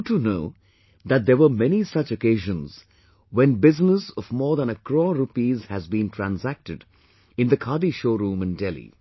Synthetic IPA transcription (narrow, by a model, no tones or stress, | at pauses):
ʈunoʊ | d̪æt̚d̪əɾʋəmɛnisʌt͡ʃəkeɪʒə̃nz̥ | wɛ̃nbɪznəsɔvmɔːɾðæ̃nəkɾɔɾupizhæzbĩntʰɹæ̃nsæk̚ʈɨɖ | ɪ̃nd̪əkʰaːdiʃoːɾũːmɨ̃ndɛlḭ